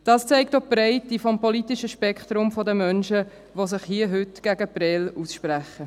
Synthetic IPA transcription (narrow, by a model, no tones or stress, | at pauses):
d̥ɑːst͡sɛɪktopɾɛɪtifɔmpɔlitɪʃəʃpɛkχt̪ɾʊmfɔdəmœnʃə | ʋosɪχhiəɦʏtɡ̥æɡəpɾɛluːsʃpɾæχə